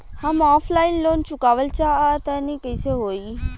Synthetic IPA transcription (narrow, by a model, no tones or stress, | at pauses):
hamɔːflaɪnloːnt͡ʃʊkaːʋəlt͡ʃat̪anikəjseɦoːi